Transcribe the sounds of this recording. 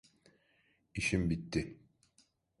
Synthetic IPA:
iʃimbit̪ːɪ

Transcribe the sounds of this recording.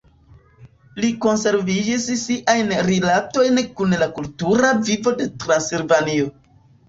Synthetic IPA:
liko̞nse̞ɾvid͡ʒissiʔajnɾilato̞jnkunlakultuɾavivo̞de̞tɾansilvanio̞

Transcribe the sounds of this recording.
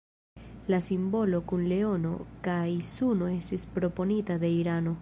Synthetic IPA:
lasimbo̞lo̞kunle̞o̞no̞̰kajsuno̞e̞stispɾo̞po̞nitad̪e̞iɾano̞

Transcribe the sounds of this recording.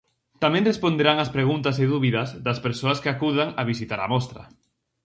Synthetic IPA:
t̪amɛ̃ŋrespond̪eɾaŋaspɾeɣunt̪ɐs̬eðuβiðɐzðɐspeɾsoɐskɪakuðaŋɐβisit̪aɾɐ̰mɔst̪ɾɐ̰

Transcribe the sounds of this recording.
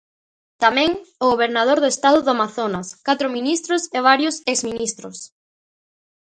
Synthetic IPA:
t̪amɛ̃ŋʊɣoβeɾnað̞oɾðʊest̪aðʊðamaθonaskat̪ɾʊminist̪ɾʊseβ̞aɾjʊsekzminist̪ɾʊs

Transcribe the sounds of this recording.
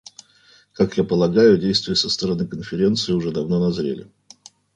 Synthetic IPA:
kakjapəlˠɐɡajʊdʲejst̪vʊjəsəst̪əɾɐnɨkənfʲɪɾʲe̞nt̪sɨɪʊʐɛd̪ɐvno̞nɐzɾʲḛlʲɪ̰

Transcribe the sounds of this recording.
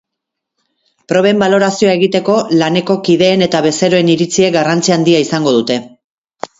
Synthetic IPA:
pɾo̞βe̞mbalo̞ɾasio̞ae̞ɣit̪e̞ko̞lane̞ko̞kiðe̞ːne̞t̪aβ̞e̞se̞ɾo̞eniɾit͡siekɡarant͡siand̪iaisaŋɡo̞ð̞ut̪e̞

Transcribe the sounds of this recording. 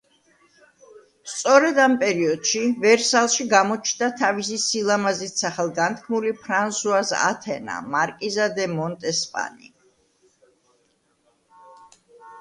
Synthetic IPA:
st̪sʼɔɾɛd̪ampʼɛɾiɔd̪̥ʃivɛɾsalˠʃiɡamɔt͡ʃʰnd̪at̪ʰavisisilˠamazit̪saχɛlˠɡant̪̚ʰkʰmulipʰɾansuasa̰t̪ʰɛna̰maɾkʼizad̪ɛmɔnt̪ʼɛspʼa̰nḭ

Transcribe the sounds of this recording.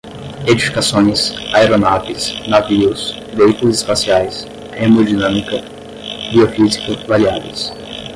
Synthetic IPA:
ed͡ʒifi̥kasõj̃sajɾonatɪsnaviʊs | veikulʊsispasiajs | hemod͡ʒinãmikɐ | biofizikʊvaɾiavḛs

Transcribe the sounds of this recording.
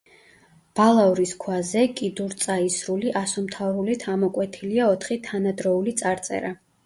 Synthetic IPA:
b̥alˠauɾiskʰwazɛkʼid̪uɾt̪sʼaisɾuliʔasɔmt̪ʰavɾulit̪ʰamɔkʼwɛt̪ʰiliaɔt̪ʰχit̪ʰanad̪ɾɔulit̪sʼaɾt̪sʼɛ̰ɾa

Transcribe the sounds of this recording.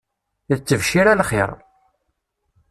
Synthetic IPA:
t͡sːəvʃiɾælχɪ̰ɾˤ

